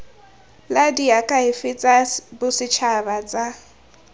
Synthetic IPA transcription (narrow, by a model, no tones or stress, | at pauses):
ladiakʼaɦɪfɪt͡sʼabʊsɪt͡ʃʰabat͡sʼa